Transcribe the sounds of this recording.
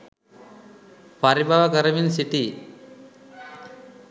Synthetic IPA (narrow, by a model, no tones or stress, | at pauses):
pɐɾibʱaʋɐkəɾɐʋinsiʈi